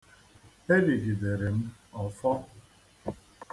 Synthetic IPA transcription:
e˦li˨ɡi˨de˨ɾe˨m̩˦ɔ˨fɔ˦

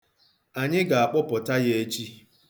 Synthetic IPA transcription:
a˨ɲɪ˦ɡa˨a˨k͡pʊ˦pʊ˨ta˦je˦e˦t͡ʃi˦

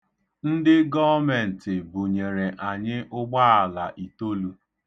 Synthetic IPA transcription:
n̩˦dɪ˦ɡɔ˦me˨n̩˨tɪ˨bʊ˨ɲe˨ɾe˨ʔa˨ɲɪ˦ʔʊ˦ɡ͡ba˦a˨la˨ʔi˨to˦lu˦

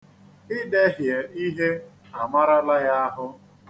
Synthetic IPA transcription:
ɪ˦de˦ɦje˨i˦ɦe˦ | a˨ma˦ɾa˦la˦ja˦a˦ɦʊ˦

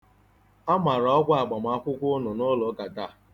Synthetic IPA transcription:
a˦ma˨ɾa˨ɔ˦kʷa˦a˨ɡ͡ba˨ma˦kʷʊ˦kʷʊ˦nʊ˨nʊ˦lɔ˨˦ka˨ta˦˨

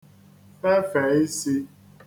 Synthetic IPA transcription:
fɛ˦fɛ˨˦i˦si˦

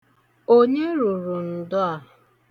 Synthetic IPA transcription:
o˦ɲe˦ɾu˨ɾu˨n̩˨dʊ˦a˨ɦ

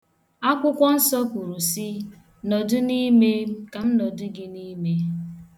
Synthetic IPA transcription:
a˦kʷʊ˦kʷɔ˦n̩˦sɔ˦ku˨ɾu˨si˦ | nɔ˨dʊ˦ni˦me˦ka˨m̩˦nɔ˨dʊ˦ɡɪ˦ni˦me˦

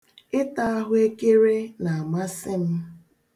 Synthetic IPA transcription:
ɪ˦ta˦a˦ɦʊ˦e˦ke˦ɾe˦na˨a˨ma˦sɪ˦m̩˦

